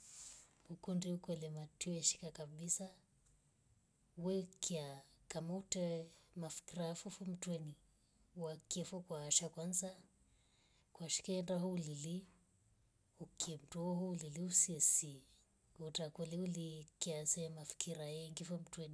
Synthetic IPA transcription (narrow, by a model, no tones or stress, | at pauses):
ukundiukwɛlɛmatiɔɛʃi̥kakaɓisa | wɛkiakamautɛmafi̥kiɾaafufum̩twɛni | uwakɛfɔkwaːʃakwanza | kwaʃi̥kɛndaɦɔulili | ukʰɛm̩tuɔɦuuliliusiɛsi | utakɛliulikiasɛmafi̥kʰiɾaɛŋɡifɔm̩twɛni